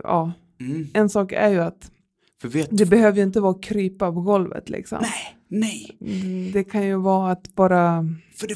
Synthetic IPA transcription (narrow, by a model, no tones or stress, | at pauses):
ɑː | ɛnsɑːkæ̰ɾjɵat̪ | fəved̪ɛbɛhøːvəɾɪnt̪̬əvɑːkʰɾyːpapɔɡɔlvə̰t̪lʔɪ̰ksɔ̰n | nɛjd̪ɛkʰanjɵvɑːat̪bɑːɾafœ